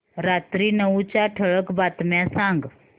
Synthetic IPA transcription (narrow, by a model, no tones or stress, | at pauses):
ɾat̪ɾiːnəʋut͡ɕjaʈʰəɭəkbat̪mjasãŋɡ